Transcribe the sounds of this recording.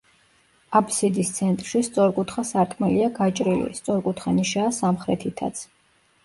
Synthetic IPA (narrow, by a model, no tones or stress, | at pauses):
apʰʼsid̪ist̪sʰɛnt̪ʼɾʃist̪sʼɔɾkʼut̪χasaɾtʰʼmɛliaɡat͡ʃʼɾilḭst̪sʼɔɾkʼut̪ʰχaniʃaːsamχɾɛt̪ʰit̪ʰa̰t̪sʰ